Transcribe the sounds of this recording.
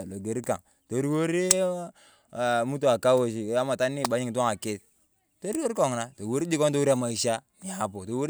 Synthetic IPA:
lo˨ɡe˨ɾi˦ka̰˨ŋ | to˨˦ɾi˦wo˦ɾi˦˨ | mu˦t̬o˦˨a˨ka˦wo˨ʃ̬i˨ja˦ma˨ta˦ni˦˨ba˨˦ɲi˦ŋ˨to˦ŋa˨ke˦t̚ | to˦ɾi˦wo˦ɾi˦ko˦˨ŋna˨to˨wo˦ɾi˦d͡ʒi˦ko˦nto˦wu˦ɾi˦a˦˨ma˨i˨ʃa˦ni˨a˨po˨to˨wu˦ɾ

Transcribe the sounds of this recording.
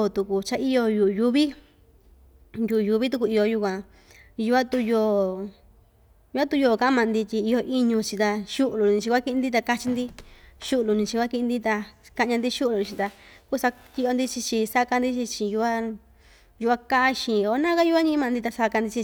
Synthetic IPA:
t̪u˧ku˧t͡ʃa˧i˦jo˧ju˧˨ʔju˧βi˦ | ju˧˨u˨ju˧βi˦t̪̬u˧k̬u˧i˧jo˧ju˧k̬ʷã˧ | ju˧a˦t̪u˧joː˧˨ | ju˧a˦t̪u˧joː˧˨ka˧˦a˦mã˧˨˧nd̪i˧t̪ʲi˧i˧jo˧ʔi˦˧ɲũ˧t͡ʃi˧t̪a˧ʃu˦ʔlu˧nĩ˧t͡ʃi˧kʷa˦ki˧ĩ˧nd̪i˦t̪a˧ka˧t͡ʃi˧nd̪i˧ʃu˦ʔlu˧˨nĩ˧t͡ʃi˧kʷa˦ki˧ʔĩ˧nd̪i˦t̪a˧ka˧ʔɲã˧nd̪i˦ʃu˦lu˧t͡ʃĩ˧t̪a˧ku˦˨sa˧k̪i˧ʔo˧nd̪i˦t͡ʃi˧t͡ʃi˧sa˦˧ka˧nd̪i˦t͡ʃi˧t͡ʃi˧ju˧a˦ | ju˧a˧ka˦ʔa˦ʃĩ˧˨o˧˨˧nã˦ka˦ju˧˦a˦ɲĩ˧˦mã˧nd̪i˧t̪a˧sa˧ka˧nd̪i˧t͡ʃi˧

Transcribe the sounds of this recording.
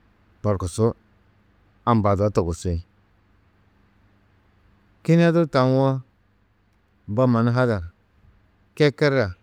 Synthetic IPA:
ba˨ɾku˨su˦ | a˨m˨ba˨da˨˦to˨ɡu˨sʷi˦˨˦ | ki˦n˦a˦du˦ta˨˦n˦wo˦ | ba˦ma˨n˦ɦa˦da˨ | ke˦ke˦ɾa˨

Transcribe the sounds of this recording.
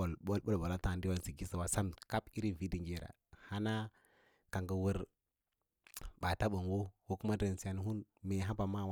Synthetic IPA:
lo˦lɓo˦lba˨la˦ta˨di˦wa˨si˨ɡi˦sa˨wa˨˦sa˦mka˦pi˦ɾi˦vi˦di˨ŋɡi˦˨ɾa̰˨ | ha˦na˦ | ka˨ŋɡa˨wu˦ɾ | ɓa˨ta˦ɓa˨ŋwo˦ko˦ku˦ma˦da˨n˨si˨ja˨˦n˦ɦu˦nme˨ɦa˦ba˨ma˦˨wa˦

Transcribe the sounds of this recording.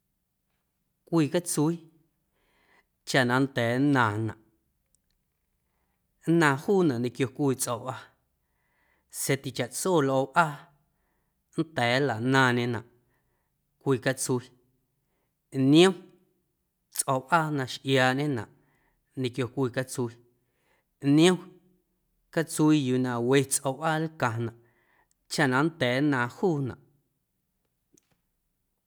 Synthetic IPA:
kʷiː˧˨ka˦t͡su˧i˦ | t͡ʃa˧ʔnã˨˦n˦t̪ɛː˨˦nãː˨nã̰˨ʔ | nãː˧˨huː˦˨nã˨ʔnĩ˧kjo˧kʷiː˧˨t͡sʔo˨ʔa˧ | se˧t̪i˨t͡ʃa˨ʔt͡soː˦˨lʔo˧ʔʔaː˦ | n̩˦t̪ɛː˨˦la˨ʔnãː˧ɲẽ˧nã̰˨ʔ | kʷiː˧˨ka˦t͡su˧˦i˦ | nĩ˦õ˦ | t͡sʔo˨wʔaː˦nã˧ʃʔjaː˧˨ʔɲẽ˦nã̰˨ʔ | nĩ˨kjo˧kʷiː˧˨ka˧t͡su˧i˧˦ | nĩ˦õ˦ | ka˦t͡su˧i˧juː˧˨nã˨we˦˧t͡sʔo˧˨ʔaː˦lkã˨nã˨ʔ | t͡ʃa˦ʔnã˨n˦t̪ɛː˨˦nãː˧huː˦˨nã̰˨ʔ

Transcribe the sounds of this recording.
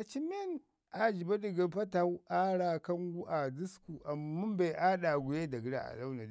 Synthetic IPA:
ʔa˨t͡ʃi˦mi˦n | ʔa˨d͡ʒi˨ba˦ɗi˨ɡa˨ɸɐ˦ta˨˦wu˦ʔa˦ɽa˨kɐ˦ŋɡu˦ʔa˨du˦sku˨ʔa˨mːu˦mba˨jʔa˦ɗa˨ɡʷu˨je˦da˨ɡi˦ɾa̰˦˨ʔa̰˨la˦wna˨d

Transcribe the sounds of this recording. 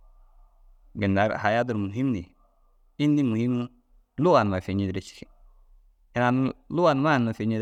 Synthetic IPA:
ɡɪ˨nda˨ɾha˨ja˦du˨ɾmu˨ɦi˦mni˨ | i˦ndi˦mu˨hi˦m˦ | lu˦wa˨nma˨fe˨ɲi˨dɾe˨t͡ʃi̥˨ | ɪ˨na˨nlu˦wa˨n˦ma˦˨n˨ma˨fe˨ɲi˦

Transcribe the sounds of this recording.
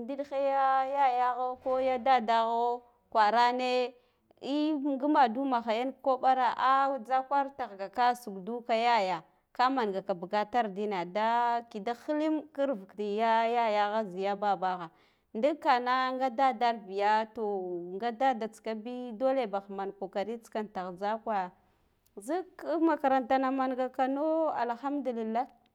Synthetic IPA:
ndi˦ɗxe˦ja˦ja˦ja˦ɣa˦ko˦ja˦da˦da˦ɣo˦ | kwa˨ɾa˦ne˦ | i˦ɡu˦ma˨du˦ma˨xa˨ja˦nko˦ɓa˦ɾa˦ʔa˦d͡za˦kʷa˦ɾta˨ɣɡa˨ka˦su˨ɡdu˦ka˦ja˦ja˨ | ka˦ma˨nɡa˨ka˨ba˨ɡa˦ta˦ɾdi˦na˨da˦ki˨da˦xi˦li˦mki˦ɾvu˨kti˨ja˦ja˦ja˨ɣa˦zi˨ja˦ba˦ba˦ɣa˨ | ndi˦ka˨na˦ŋɡa˦da˦da˦ɾbi˨ja˦to˨ŋɡa˦da˦da˨t͡ska˦bi˦do˦le˦˨ba˨xma˨nko˨ka˨ɾi˦t͡ska˨nta˨ɣd͡za˦kwa˦ja˨ | zi˦kma˨ka˨ɾa˨nta˨na˨ma˨nɡa˨ka˨no˦a̰˨lxa˦mdu˨li˨lːa˦

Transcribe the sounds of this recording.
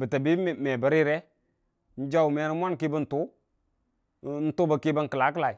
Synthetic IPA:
bə˨ta˨bi˦˨mɛ˨bə˨ɾi˦ɾɛ˦ | n̩˦d͡ʒa˦wu˨me˨˦ɾi˦mʷ˦a˦nki˦bə˦n̩˨tu˦ | n̩˦tu˦bə˨ki˦bə˦ŋkə˨la˨˦k̬ə˦la˨i˨

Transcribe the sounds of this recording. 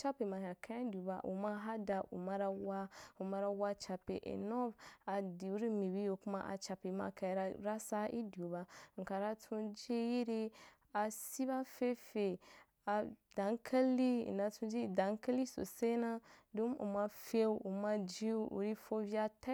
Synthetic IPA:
t͡ʃa˦pe˨ma˨ɦa˨kã˦a˦dʲu˨ba˨ʔṵ˨ma˦ɦa˦da˨ʔṵ˨ma˧ɾa˧wa˦u˨ma˧ɾa˧wa˦t͡ʃa˧pḛ˨ʔḭ˨nɔ˦va˨di˨u˦ɾi˦mi˨bi˦jo˧ku˦ma̰˦ʔa̰˨t͡ʃa˨pe˨˦ma̰˧˨ka˧jɾa˧ɾa˦sa˦ʔḭ˦du˨ba˧ŋ̩˨ka˨ɾa˧t͡sʰũ˦˧d͡ʒe˦ji˦ɾi˦ | a˨si˦βa˦fe˦fe˨ | a˨da˨˦ŋ˦kʰa˦lḭ˦˨n˨da˧tũ˧˦d͡ʒi˦˨da˨˦ŋ˦ka˦li˦so̰˨se˦nã˦dũ˦mṵ˨ma˧fe˦u˨ma˧d͡ʒi˦ṵ˨ɾi˦fo˦vi˦a˧ta˦

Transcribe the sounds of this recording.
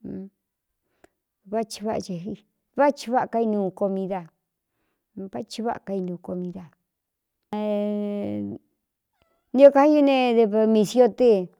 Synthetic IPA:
βa˦t͡ʃi̥˧βa˦ʔa̰˧t͡ʃe˧ɦi˧˨ | βa˦t͡ʃi˧βa˦a˧˨ka˧i˧nũː˧ko˧mĩ˧ða˧ | βa˦t͡ʃi˧βa̰˦ʔa˨ka˧i˧nũː˨˧ko˧mĩ˧ða˧˨ | nĩ˧õ˦˧ka˧hi˦jo˦nẽ˧ðe˧βa˧mĩ˧sjo˦˧t̪e˦

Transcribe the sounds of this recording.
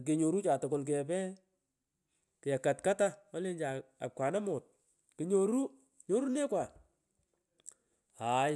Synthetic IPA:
k̬e˨ɲo˨ɾu˦t͡ʃaː˨tʊ˨ko˨lk̬ɛ˨pɛ˦ | kɪ˨ja˨ka˨tka˦ta˦ɔ˦le˦nd͡ʒa˨a̰˨p̚kwa˨na˦mɔ˨t̚ | kɪ˨ɲo˨ɾu˦ | ɲo˦ɾu˦ne˦kwa˨ | a˨

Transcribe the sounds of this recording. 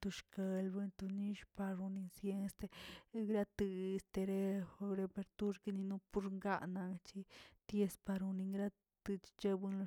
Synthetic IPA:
t̪u˧ʃka˧lbe˧nt̪u˧ni˦ʃpa˧ɾu˧ni˧nsje˧n˧st̪e˧ɡɾa˦t̪ɨ˧e˧st̪e˧ɾe˦˧ɾe˧pe˧ɾt̪u˦ɾki˧ni˧nu˦pu˦ɾŋɡa̰˦˧ʔna˧ŋt͡ʃi˦t̪je˧spa˧ɾu˧ni˧ŋɡɾa˦ | t̪ɨ˧t͡ʃi̥˧t͡ʃe˦bu˦nlo˧

